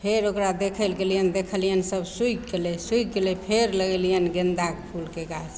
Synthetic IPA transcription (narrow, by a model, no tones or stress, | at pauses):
pʰeɾokɾad̪ekʰəlɡelijənd̪ekʰəlijənsəbsujkːelɛsuik̚ɡelɛpʰeɾləɡəlijənɡend̪akpʰulkeɡaɾs